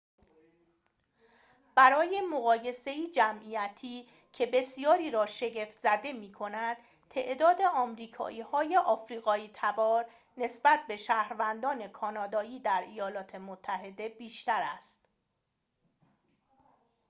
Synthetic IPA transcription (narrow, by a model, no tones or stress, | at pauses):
b̥æɾɒːje̞moɣɒːje̞se̞iːd͡ʒæmʔiːjæt̪ʰiː | cʰe̞be̞sijɒːɾiːɾɒːʃe̞ɟe̞ft̪zæd̪e̞miːkʰo̞næd̪̥ | t̪ʰe̞̰ʔd̪ɒːd̪e̞ɒːmɾiːkʰɒ̰ːʔiːhɒːje̞ʔɒːfɾiːɣɒːiːt̪ʰæbɒːɾ | ne̞sbæt̪̚be̞ʃæːhɾvænd̪ɒːne̞kʰɒːnɒːd̪ɒːiːd̪æɾʔijɒːlɒːt̪ʰe̞mot̪ʰːæɦe̞d̪e̞biːʃt̪æɾæst̪